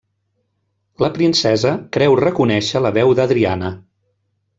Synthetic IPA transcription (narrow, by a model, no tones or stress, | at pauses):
ləpɾinsɛzəkɾɛwrəkunɛʃələβɛwðəðɾianə